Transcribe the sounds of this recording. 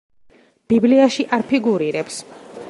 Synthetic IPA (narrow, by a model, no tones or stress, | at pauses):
b̥ibliaʃiʔaɾpʰiɡuɾiɾɛps